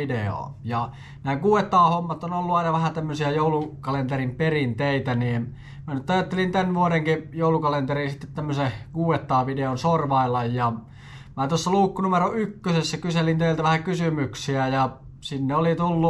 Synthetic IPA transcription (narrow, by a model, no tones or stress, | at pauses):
ideo̰ːˑjɑ | næːɡuːet̪ːɑːhomːɑt̪onolːuɑˑinɑʋæhæt̪æmːøsiæjoulukɑlent̪erimperint̪eit̪æniː | mænyt̪ɑjɑt̪ːelint̪ænʋuoɾeŋkijoˑulukɑlent̪erinsit̪ːet̪t̪æmːøsekuːet̪ːɑːʋideonsorʋɑilɑjjɑ | mæt̪osːɑluːkːunumeroykːøsesːækyselint̪eilt̪æʋæhækysymyksiæjɑ | sinːeolit̪ulːu